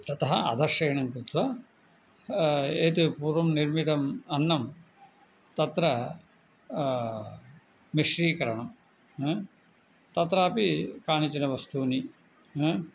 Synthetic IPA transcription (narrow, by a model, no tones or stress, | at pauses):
t̪ɐt̪ɐɦɐɐ̰d̪ʱɐɾʂɐːɳɐŋkɾut̪ʋɐ | eːt̪upuːɾʋɐmniɾmit̪ɐmɐnːɐm | t̪ɐt̪ɾɐ | miʂɾiːkɐɾɐɳɐm | t̪ɐt̪ɾaːpikaːɳit͡ʃinɐʋɐst̪uːni